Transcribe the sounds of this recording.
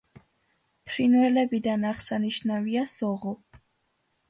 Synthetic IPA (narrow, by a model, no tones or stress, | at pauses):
pʰɾinvɛlɛbid̪anaʁsaniʃnaviasɔʁu